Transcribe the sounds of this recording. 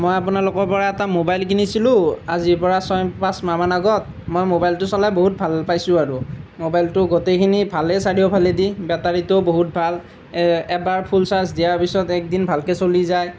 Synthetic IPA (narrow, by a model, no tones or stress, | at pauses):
mojap̬ʊnalʊkɔɹpɔɹaɛtamobajlkʰinisilʊ̃aziɹpɔɹasɔjpasmamanaɡɔt | mojmobajltʊsɔlajboɦut̚bʱalpajsʊ̃aɹʊmobajltʊɡotekʰinibʱalɛsaɹijɔbʱalɛdibɛtaɹitʊboɦut̚bʱal | ɛbaɹpʰulsas̬dijaɹpisɔtɛk̚dinbʱalkɛsolizaj